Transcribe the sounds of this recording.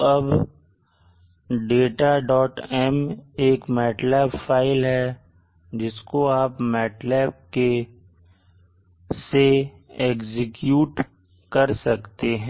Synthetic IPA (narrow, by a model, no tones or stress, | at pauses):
ɐb | ɖeːʈaɖɔːʈɛmeːkmɛːʈlɛːpfaːɪlɦɛ | d͡ʒɪskoaːpmɛːʈlɛːb̚ke | se | eːkzɪkjuːʈ | kɐɾsɐkt̪eɦɛ̃